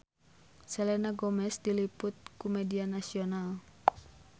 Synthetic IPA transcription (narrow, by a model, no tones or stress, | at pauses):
sɛlɛnaɡomɛsdilipʊt̪̚kumɛdianasional